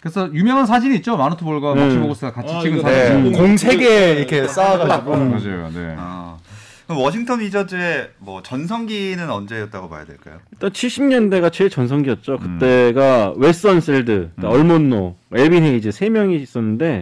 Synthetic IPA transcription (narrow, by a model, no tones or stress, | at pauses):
kɯɾesʰʌjumjʌŋans̬ʰad͡ʑiniːt̚t͡ɕ͈omanotʰoboɭɡwaet͡ɕʰoɡos͈ʰɯɡakait͡ɕʰiɡɯnʰaekoŋsʰe̞ɡe̞iɾʌkʰe̞s͈aaɡaiɡoad͡ʑao̰ḛa̰ | kɯewʌɕʰiŋtʰʌnid͡ʑadɯɾe̞mwʌt͡ɕʌnsʰʌŋɡinɯnʌnd͡ʑe̞jʌt̚t͈aɡoma̰ja̰dweɭk͈a̰joiɭt͈ant͡ɕʰiɭɕ͈ʰimɲʌnde̞ɡat͡ɕe̞ɭt͡ɕʌnsʰʌŋɡiʌt̚t͡ɕ͈okɯt͈e̞ɡawe̞s͈ʌns͈eɭdɯaʌɭmonːoeɭbinɦeid͡ʑɯsʰe̞mjʌŋiːs͈ʌnːɯnde̞